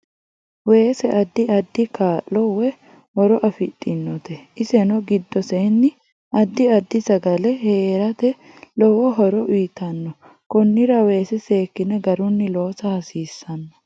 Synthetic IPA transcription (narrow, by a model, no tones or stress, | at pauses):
we̞ːsɛʔɐd̪ːɪɐd̪ːɪkaːlːɔwɛ | hɔɾɔʔɐfɪt̪ʼːɪnːɔt̪ɛʔɪsɛnɔɡɪd̪ːɔseːnːɪ | ʔɐd̪ːɪɐd̪ːɪsɐɡɐlɛheːɾɐt̪ɛ | lɔwɔɦɔɾɔʔiːt̪ɐnːɔ | kɔnːɪɾɐwe̞ːsɛseːkːɪnɛɡɐɾʊnːɪloːsɐhɐsiːsːɐnːɐ̥